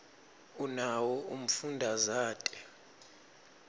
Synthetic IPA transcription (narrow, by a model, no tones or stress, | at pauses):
unawɔum̩fundʱazaːtʼɛ̥